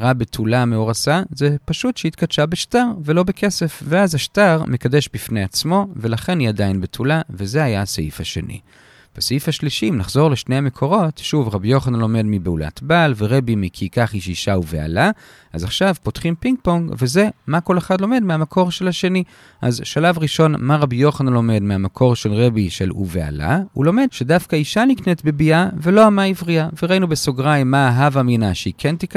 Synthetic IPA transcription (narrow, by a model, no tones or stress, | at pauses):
ʁabetʰulameo̞ʁasazepaʃutʃeit̪kadʃabeʃtaʁve̞lo̞bekʰe̞se̞fveazhaʃtaʁmekadeʃbifnejat͡smo̞ve̞laχe̞niadajinbetʰulave̞zeajaseifhaʃe̞̰nʔḭ | v̥eseifhaʃliʃiːmnaχzo̞ʁle̞ʃnejame̞kʰo̞ʁo̞tʃuvʁabijo̞χanlo̞me̞dmibeula̰tbalveʁe̞bimikʰikaχiʃiʃauvea̰la | azaχʃavpo̞tχimpiŋɡ̚poŋɡve̞ze̞mako̞le̞χadlo̞me̞dmeamakʰo̞ʁʃe̞laʃe̞ni | ʔazʃalavʁiʃo̞nmaʁabijo̞χanalo̞me̞dmeamakʰo̞ʁʃelʁe̞biʃḛlṵvea̰la̰ṵlo̞me̞dʃe̞dafkaiʃaniknetbebiave̞lo̞amaivʁiaveʁainubesoɡʁajmːaːɦavaminaʃeikʰe̞ntik